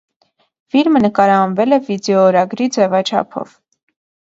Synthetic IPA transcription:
fiɾmənəkɑɾɑɑnvɛlɛvid̪ɛɔɾɑɡɾid͡zɛvɑt͡ʃʰɑ̰pʰɔ̰v

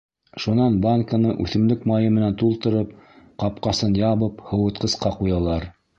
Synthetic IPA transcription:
ʃunɑnbaŋkənɤʔʉ̰θɘ̆mlɵkmɑjɤmɘ̆nænt̪ulˠt̪ɤ̆ɾɤp̚qɑp̚qɑsɤnjɑβɤphɤ̆wɤ̆t̪̚qɤ̆sqɑqujɑlˠɑɾ

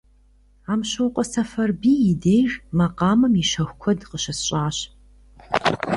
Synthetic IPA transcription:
aːmɕɐwqʷʼɔsɐfɐrbiːjɪdeːʒmɐqɑːmɨmiɕɐxʷkʷʰɔdqəɕɐsɕʼaːɕ

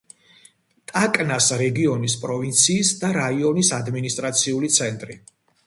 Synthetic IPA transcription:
t̪ʼakʼnasɾɛɡiɔnis̬pʼɾɔvint̪sʰiːsd̪aɾaiɔnisad̪minist̪ʼɾat̪sʰiulit̪sʰɛnt̪ʼɾi

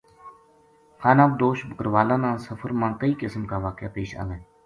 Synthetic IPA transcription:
xaːnaːb̚d̪oːʃbəkəɾʋaːlãːnãːsəfʰəɾmãːkəiːkɪsəmkaːʋaːkja̰ːpeːʃa̰ːʋeː

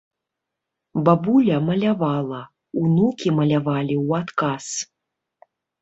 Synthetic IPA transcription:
babulʲɐmɐlʲavalˠɐ | unukʲimɐlʲavalʲiwat̪kas

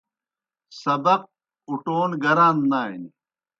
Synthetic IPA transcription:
sɐbɐq̚ | uʈoːnɡɐɾaːnnaːḭni

